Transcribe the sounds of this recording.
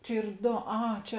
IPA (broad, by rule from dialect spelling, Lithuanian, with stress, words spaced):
ˈt͡ʃʲɛ ˈiːr ˈdoː ˈɐ ˈt͡ʃʲɛ